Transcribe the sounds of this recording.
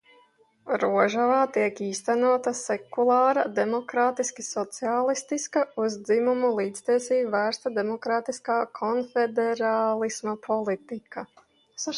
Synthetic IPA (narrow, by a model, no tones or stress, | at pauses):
ɾuɔʒavaːt̪iɛkiːst̪ænuɔt̪asɛkulˠɑːɾad̪emɔkɾaːt̪iskisɔt̪siaːlˠist̪iskauzd̪zimumulˠiːt̪st̪iɛsiːbvæːɾst̪ad̪emɔkɾaːt̪iskaːkʰɔnfed̪ɛɾaːlˠismapʰɔlˠit̪ika